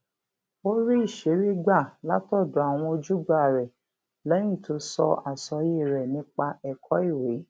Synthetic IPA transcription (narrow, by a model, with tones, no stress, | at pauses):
o˦ɾi˦i˦˨ʃe˨˦ɾi˦ɡ͡ba˦˨la˨˦tɔ˦˨du˨˦a˨w̃ɔ̃˧o˧d͡ʒu˦ɡ͡ba˦˨ɾɛ˨ | lɛ̃˨˦ĩ˦˨to˨˧sɔ˧a˨sɔ˨˧je˦˨ɾɛ˨nĩ˧˦k͡pa˧ɛ˦˨kʰɔ˨˦i˦˨we˨˦